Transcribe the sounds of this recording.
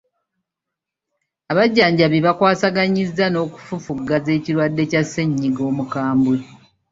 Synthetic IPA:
aβaɟːaːɲɟaβiβakwaːsaɡaɲizːano̞ːku̥fufuɡːaze̞ːciɾwadːe̞casːeɲːiɡo̞ːmukaːmbwe

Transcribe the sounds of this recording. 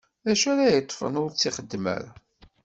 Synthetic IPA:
æʃæɾajət̪ˤːfə̰nʊɾt͡sːiχəd̪ːmæ̰ɾa

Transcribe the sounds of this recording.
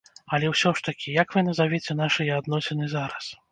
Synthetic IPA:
ɐlʲɛwsʲɔʂt̪ɐkʲijakvɨnɐzavʲɛt͡sʲɛnaʂɨjɛad̪nɔsʲɛnɨzaɾɐs

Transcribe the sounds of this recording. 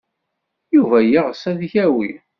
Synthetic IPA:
juvæjiʁsæðçæwi

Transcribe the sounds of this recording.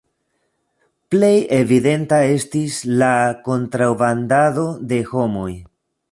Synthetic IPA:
ple̞je̞vide̞ntae̞stislako̞ntɾawbandado̞de̞ho̞mo̞j

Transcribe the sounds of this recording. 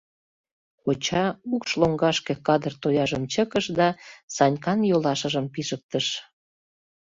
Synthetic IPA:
kot͡ɕɑukʃloŋɡɑʃkekɑd̪ərt̪ojɑʒəmt͡ɕəkəʃd̪ɑsɑnʲkɑnjolɑʃəʒəmpiʒək̚t̪əʃ

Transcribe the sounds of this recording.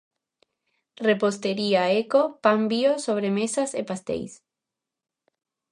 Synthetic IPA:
repost̪eɾiaekopambiosoβɾemesasepast̪ḛjs

